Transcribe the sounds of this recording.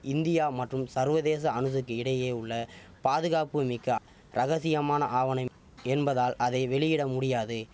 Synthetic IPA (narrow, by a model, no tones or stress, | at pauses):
ʔɪnd̪ɪjaːmɐʈrɯmsɐɾʋɐðeːs̬ɐɐnɯsɯkːɯɪɽɐjeːʊɭːɐpaːðɯɣaːpɯmɪkːɐ | ɾʔɐɣɐsɪjɐmaːnɐ̰ʔaːʋɐnɐɪ | ɛnbɐðaːlʔɐðɐɪʋɛɭɪjɪɽɐmʊɽɪjaːðɯ